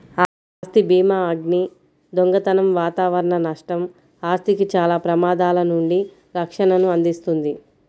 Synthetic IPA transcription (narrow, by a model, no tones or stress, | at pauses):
a | st̪ibiːmaːɐɡni | d̪oŋɡɐt̪ɐnɐmʋaːt̪aːʋɐɾɐɳɐnɐʂʈɐm | aːst̪ikit͡ʃaːlaːpɾɐmaːd̪aːlɐnuɳɖi | ɾɐkʂɐnɐnuɐnd̪ist̪und̪i